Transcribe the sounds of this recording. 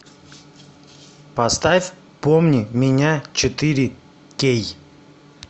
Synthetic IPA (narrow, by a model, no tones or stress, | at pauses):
pɐst̪afʲ | pomnʲɪmʲɪnʲat͡ɕɪt̪ɨɾʲɪ | kʲej